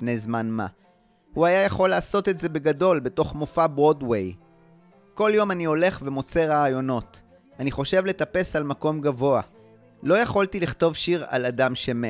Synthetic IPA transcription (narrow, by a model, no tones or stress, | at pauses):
nejzmanma̰ | huajajaχo̞lːaːso̞t̪e̞tze̞be̞ɡado̞lbe̞to̞χmofabʁo̞dwe̞j | ko̞ljo̞manio̞le̞χve̞mo̞t͡se̞ʁaːjo̞no̞t | aniχo̞ʃe̞vle̞tape̞salmako̞mɡavo̞a | lo̞jaχoltiliχt̪o̞vʃiʁa̰ladamʃeme